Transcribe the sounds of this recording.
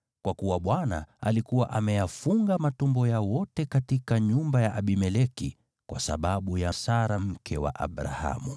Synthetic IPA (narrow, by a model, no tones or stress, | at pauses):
kwakuwaɓwana̰alikuwaʔamɛjafuŋɡamatumbɔjawɔtɛkatikaɲumbajaʔaɓimɛlɛki | kwa̰sa̰ɓaɓujasaɾam̩kʰɛwa̰ʔa̰ɓɾa̰ha̰mu